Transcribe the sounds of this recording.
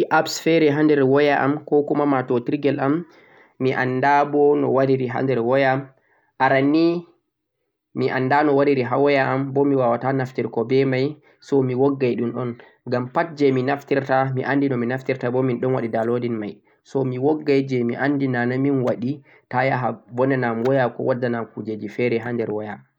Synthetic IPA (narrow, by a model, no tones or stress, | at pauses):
iʔabsfɛɾɛɦandɛɾwɔjaʔamkɔkumamatɔtiɾɡɛlʔamː | iʔa̰ndabɔnɔ̰waɾiɾiɦa̰ndɛɾwɔjam | ʔaɾani | miʔa̰nːdanɔwaɾiɾiɦawɔjaʔambɔmiwawatanaftiɾkɔbɛmaj | sɔmiwɔɡːajɗunɗɔn | ɡampat̚d͡ʒɛminaftiɾtamiʔandinɔminaftiɾtabɔminɗɔnwaɗidalodinma̰j | sɔmiwɔɡːajd͡ʒɛmiʔandinanaminwaɗi | tajaɦabɔnɛnamwɔjakɔ̰wadːanamkud͡ʒed͡ʒifɛɾɛɦandɛɾwɔja